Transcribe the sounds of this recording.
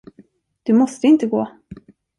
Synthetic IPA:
d̪̥ɵmɔst̪əɪnt̪əɡoː

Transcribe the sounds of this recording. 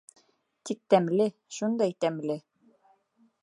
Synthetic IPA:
t̪ik̚t̪æmlɘʃund̪ɑjt̪æmlɘ

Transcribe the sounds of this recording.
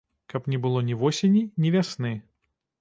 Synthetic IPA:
kɐpnʲɛbɨlˠɔnʲivɔsʲenʲinʲivʲasnɨ

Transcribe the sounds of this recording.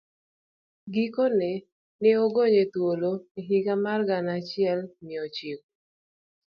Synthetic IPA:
ɡikonɛ | nɪoɡoɲetwoloiɦiɡamarɡanat͡ʃɪɛlmɪot͡ʃik̚u

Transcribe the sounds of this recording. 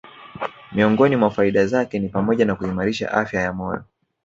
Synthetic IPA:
miɔŋɡɔnimwafaiɗazakɛnipamɔʄanakuimaɾiʃa̰ʔa̰fjajamɔjɔ̰

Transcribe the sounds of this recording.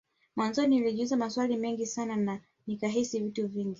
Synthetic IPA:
mwanzɔniiliʄuzamaswalimɛŋɡisanana | nikaɦisivituviŋɡi

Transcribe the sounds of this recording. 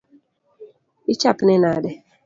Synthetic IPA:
it͡ʃapnɛnadɛ

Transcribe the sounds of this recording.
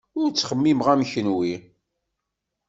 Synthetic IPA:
ʊɾt͡sːχəmːimʁæmçənwi

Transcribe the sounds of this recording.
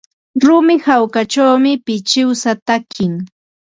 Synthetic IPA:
ɾʊmɪhawkat͡ʃawmɪpɪt͡ʃɪwsat̪akɪŋ

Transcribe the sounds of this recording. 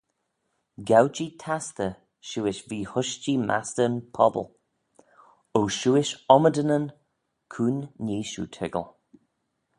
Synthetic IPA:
ɡawt͡ʃitʰast̪ə | ʃuːɪʃviːhʊʃt͡ʃimʔa̰stənpʰɔbə̰lˠ | oʃuːɪʃɔmədənən | kʰuːnːiːʃṵtʰɪɡə̰lˠ

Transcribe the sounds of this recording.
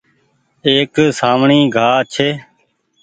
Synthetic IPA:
eːksaːmɳiːɡʱaːt͡ʃʰeː

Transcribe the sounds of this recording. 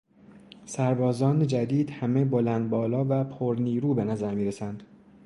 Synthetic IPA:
sæɾbɒːzɒːned͡ʒæd̪iːd̪hæme̞bolænd̪̚bɒːlɒːvæpʰoɾniːɾuːbe̞næzæɾmiːɾesænd̪̥

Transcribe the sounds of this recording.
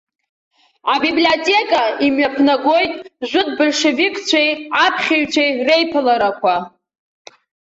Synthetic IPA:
abibliotʲʼe̞kʼaimɥapʰnaɡo̞jtʼʒʷʊt̚bolʂevikʰʼt͡ɕʷʰejapʰχʲeɥt͡ɕʷʰejrejpʰɨlaɾakʷʰa

